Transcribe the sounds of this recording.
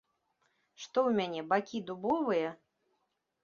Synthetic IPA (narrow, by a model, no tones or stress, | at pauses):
ʂt̪ɔwmʲanʲɛbakʲid̪ubɔvɨjɐ